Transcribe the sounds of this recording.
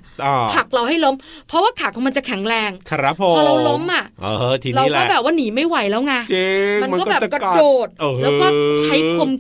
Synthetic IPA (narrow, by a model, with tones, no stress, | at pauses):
kʰa˨˩k̚ɾa˧wɦa˥˩jlo˦˥mpʰɔ˦˥waː˥˩kʰa˨˩kʰɔ˨˦ma˧nt͡ɕa˨˩kʰɛ˨˩˦ŋɾɛː˧ŋkʰa˧ɾa˦˥pʰo˧ɔ˧˩ɾwlo˦˥mʔa˨˩ʔo˧˩ht̪ʰi˧ɾa˧wlɔː˥˧˩bɛː˨˩p̚waː˥˩niː˩˦ma˥˩jwa˨˩˦jlɛː˦˥wŋa˦˥t͡ɕe˧m˧nm˧kɔ˥˩˥bɛː˨˩˧kɾa˧doː˨˩t̪̚oː˨˧˩hlːwkɔː˥t͡ɕʰa˦˥jkʰo˧m